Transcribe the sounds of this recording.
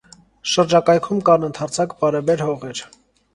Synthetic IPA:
ʃəɾd͡ʒɑkɑjkʰumkɑnənt̪ʰɑɾt͡sʰɑkbɑɾɛbɛɾhɔʁɛɾ

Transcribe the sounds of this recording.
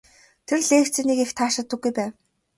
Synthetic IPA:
t̪ʰerɮeːxt͡sĕniːkext̪ʰaːʃăt̪ːə̆ɡːujpæːw

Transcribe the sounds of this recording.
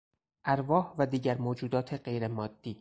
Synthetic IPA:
ʔæɾvɒːhvæd̪iːɟæɾmoːd͡ʒuːd̪ɒːt̪ʰe̞ɢe̞jɾemɒːd̪̥ːiː

